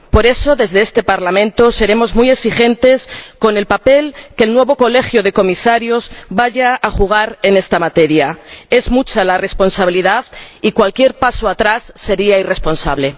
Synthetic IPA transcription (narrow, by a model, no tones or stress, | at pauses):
po̞ɾe̞so̞ðe̞zðe̞est̪e̞paɾlamẽ̞nt̪o̞se̞ɾe̞mo̞zmuje̞ksixẽ̞nt̪e̞sko̞ne̞lpape̞lke̞lnwe̞βo̞ko̞le̞xjoð̞e̞ko̞misaɾjo̞zbaʝaaxuɣ̞aɾe̞ne̞st̪amat̪e̞ɾjae̞zmut͡ʃalare̞spo̞nsaβ̞iliðaðikwalkje̞ɾpaso̞at̪ɾasːe̞ɾiaire̞spo̞nsa̰βle̞